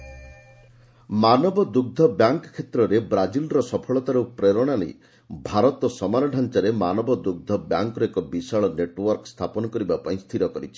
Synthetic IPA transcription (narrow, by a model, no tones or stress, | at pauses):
manɔbɔd̪uɡ̚d̪ʱɔbjaŋkkʰːet̪ɾɔɾebɾad͡ʒilɾɔsɔpʰɔɭɔt̪aɾupɾeɾɔɽ̃anḭ | bʱaɾɔt̪ɔsɔmaɾɔɖʱant͡ʃaɾemanɔbɔd̪uɡ̚d̪ʱɔbja̰ŋkɾɔekɔbisaɭɔneʈwɔɾkɔst̪ʰapɔnɔkɔɾibapaĩst̪ʰiɾɔkɔɾit͡ʃʰi̥